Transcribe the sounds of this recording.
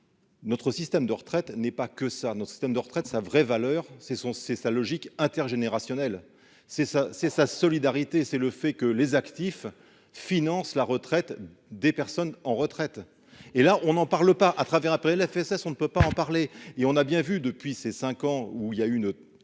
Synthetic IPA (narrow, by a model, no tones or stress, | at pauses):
nɔt̪χəsist̪ɛmd̪əʁət̪χɛt̪nɛpakəsanɔt̪χə̥sist̪ɛmd̪əʁət̪χɛt̪savʁɛvalœːʁsɛsɔ̃sɛsalɔʒikɛ̃t̪ɛʁʒeneʁasjɔnɛl | sɛsasɛsasɔlid̪aʁit̪esɛləfɛkəlezakt̪if | finɑ̃slaʁət̪χɛt̪ | d̪epɛʁsɔnɑ̃ʁət̪χɛt̪ | elaʔɔ̃nɑ̃paʁləpaʔat̪χavɛʁɛ̃pɛʁɛlɛfɛsɛsɔ̃nəpøpaɑ̃paʁleeɔ̃nabjɛ̃vyd̪əpɥisesɛ̃kɑ̃uiljayn